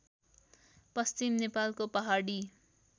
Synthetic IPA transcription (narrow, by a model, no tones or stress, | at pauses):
pʌst͡ʃimnepalkopʌɦaɽi